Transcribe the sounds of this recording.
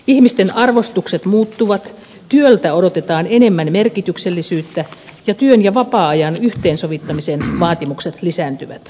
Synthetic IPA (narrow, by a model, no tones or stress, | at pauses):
ihmist̪enɑrʋost̪ukset̪muːt̪ːuʋɑt̪ | t̪yølt̪æodot̪et̪ɑːnenemːænmerkit̪ykselːisyːt̪ːæjɑt̪yønjɑʋɑpɑːɑjɑnyht̪eːnsoʋit̪ːɑmisenʋɑːt̪imukset̪lisæːnt̪yʋæ̰t̪